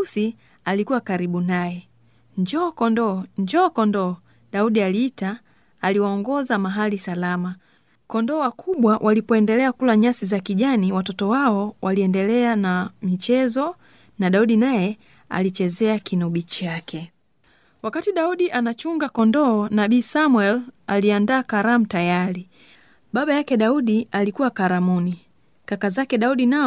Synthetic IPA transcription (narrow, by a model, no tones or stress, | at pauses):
si | alikuwakaɾiɓunajɛ | ɲd͡ʒɔːkɔndɔɲd͡ʒɔːkɔndɔ | ɗauɗialiːtaː | liwaɔŋɡɔzamaɦalisalama | kɔndɔːwakʰuɓwawʔalipɔɛndɛlɛakulaɲasizakiʄaniwatɔtɔwaɔwaliɛndɛlɛanamit͡ʃɛzɔ | naɗauɗinajɛ | a̰lit͡ʃɛzɛakinuɓit͡ʃakʰɛ | wakatiɗauɗiʔanat͡ʃuŋɡakɔndɔɔnaɓiːsamwɛlaliandaːkaɾamutajaɾi | ɓaɓajakɛɗauɗialikuwakaɾamuni | kakazakɛɗauɗina